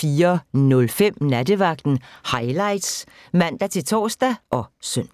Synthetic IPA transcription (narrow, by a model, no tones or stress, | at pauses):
fiːɐnɔ̽lfem̰næd̥əʋɑ̈ɡ̥̚d̥n̩hɑ̈ɪlɑ̈ɪd̥s | mæn̰d̥æt͡sʰe̝lt͡sʰɒ̰ːsd̥æʔɒ̽søn̰